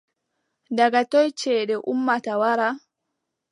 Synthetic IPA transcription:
daɡatɔjt͡ʃɛːɗɛʔumːatawaɾa

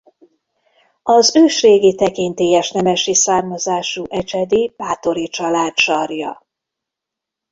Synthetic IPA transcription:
ɒzøːʃreːɡit̪ɛkint̪eːjɛʃnɛmɛʃisaːrmɒzaːʃuʔɛt͡ʃɛd̪ib̥aːt̪oɾit͡ʃɒlaːt̪ʃɒrjɒ̰

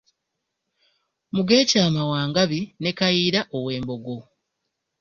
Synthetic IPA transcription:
muɡe̞ːcaːmawaːŋɡaβinekajiːɾaʔowe̞ːmbo̞ɡo̞

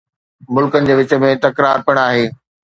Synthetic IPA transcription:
mʊlkənɪ̆d͡ʑeːʋɪt͡ɕə̆mẽt̪ɐkɾaːɾpiəɽ̃aːɦeː

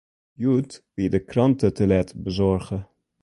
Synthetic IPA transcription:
jutʋidəkrɑntətəlɛtbəzɔɹχə

